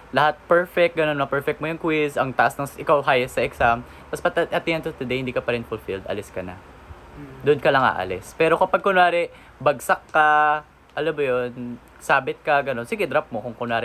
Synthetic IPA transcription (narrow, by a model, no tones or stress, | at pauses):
lɐhat̪̚pɛɹfɛk̚ɡɐnonmɐpɛɹfɛk̪̚mojʊŋkwɪzʔɐŋt̪ɐʔasnɐŋʔɪkawɦajɛst̪sɐʔɛksam | t̪ɐspɐt̪ʔɐt̪ɪhɐnt̪ot̪ʊd̪ɛjhɪnd̪iːkɐpɐɾɪnfʊlfild̪ʔɐ̰lɪskɐnɐ̰ | d̪ʊnkɐlɐŋʔa̰ːʔɐ̰lɛspɛːɾo̞kɐpɐɡ̚kʊnwaːɾɪ | bɐɡsɐkːɐ | ʔɐlɐbɐjon | saːbɪt̪̚kɐɡɐno̞nsiːɡɛd̪ɾap̚mokʊŋkʊnaːɾɪ